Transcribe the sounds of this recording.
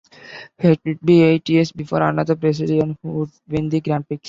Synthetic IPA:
heʈʊɖ̚bieʈiesbɪfoːɾənəd̪əɾpɾɛs̬ɪliə̃nhuɖʋẽnd̪iɡɾãɳpɪks

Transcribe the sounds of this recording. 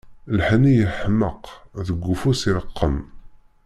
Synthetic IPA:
lħnijəħəmːəqðəɡʷːufusiləqːəm

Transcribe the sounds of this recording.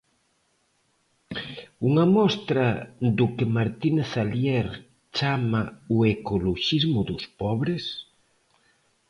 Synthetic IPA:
uŋɐmɔst̪ɾɐd̪ʊkɪmaɾt̪inθaljɛɾ | t͡ʃamauekoloʃizmʊðʊspɔβɾes

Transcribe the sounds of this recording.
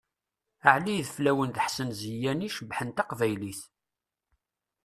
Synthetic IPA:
əʕliðflæwənðəħsənzəjæniʃəbħənt̪ɑqvæjliθ

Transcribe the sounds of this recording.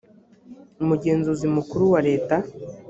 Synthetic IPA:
umuɟe̞ːnzuzimukuɾuwaɾe̞ːta

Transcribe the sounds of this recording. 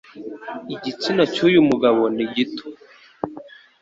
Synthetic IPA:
iɟit͡sinacujumuɡaβoniɟito̥

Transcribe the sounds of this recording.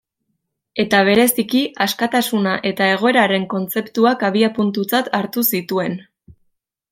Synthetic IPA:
e̞t̪aβ̞e̞ɾe̞sikiaskat̪asunaʔe̞t̪ae̞ɣ̞o̞e̞ɾaɾe̞ŋko̞nt͡se̞pt̪uakaβiapunt̪ut͡sat̪ʰaɾt̪usit̪ue̞n

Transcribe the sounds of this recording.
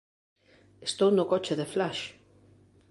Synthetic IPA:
est̪ownʊkɔt͡ʃɪðeflaʃ

